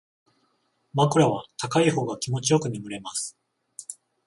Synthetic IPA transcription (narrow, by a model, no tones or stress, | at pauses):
makɯ̟ɾaβ̞at̪akaiho̞ːɡakʲimo̞t͡ɕijo̞kɯ̟mimɯ̟ɾe̞masɨ̥